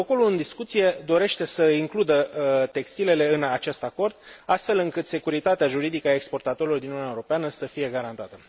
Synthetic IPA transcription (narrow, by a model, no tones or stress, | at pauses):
oko̞luɨnd̪iskut̪sije̞d̪o̞ɾe̞ʃt̪e̞səiŋklud̪ət̪e̞kst̪ile̞le̞ɨnat͡ʃe̞st̪ako̞rd̪̥̚ast̪fe̞lɨŋkɨt̪se̞kuɾit̪at̪eaʒuɾid̪ikəaekspo̞rt̪at̪o̞ɾilord̪inununaeuɾo̞peanəsəfije̞ɡaɾant̪at̪ə